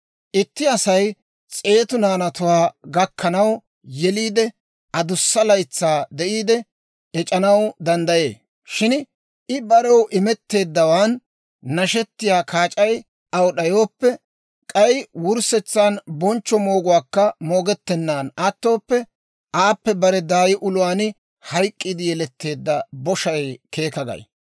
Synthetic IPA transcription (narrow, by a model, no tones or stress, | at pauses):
ʔɪt̪ːɪɐsɐj | t͡sʼe̞ːt̪ʊnaːnɐt̪ʊwaːɡɐkʰːɐnɐw | jɛliːd̪ɛ | ɐd̪ʊsːɐlɐjt͡sːaːd̪ɛʔiːd̪ɛ | ɛt͡ʃʼɐnɐwd̪ɐnd̪ɐje̞̰ː | ʃɪn | ʔɪbɐɾɔwʔɪmɛt̪ːe̞ːd̪ːɐwaːnː | ɐʃɛt̪ːɪjaːkʰaːt͡ʃʼɐj | ʔɐwɔɗɐjoːpːɛ | kʼɐjwʊɾsɛt͡sːaːnbɔnt͡ʃːɔmo̞ːɡʊwaːkːɐmo̞ːɡɛt̪ːɛnːaːnɐt̪ːo̞ːpːɛ | ʔaːpːɛbɐɾɛd̪aːjɪʔʊlʊwaːn | hɐjkʼːid̪ɪjɛlɛt̪ːe̞ːd̪ːɐbɔʃɐjkʰe̞ːkɐɡɐ̰j